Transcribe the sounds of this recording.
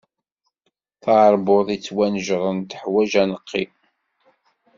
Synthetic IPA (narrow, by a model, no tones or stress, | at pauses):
θɑʕəɾˤbʊðˤit͡sːwænəʒʁˤənt̪əħwæʒænəqʰːi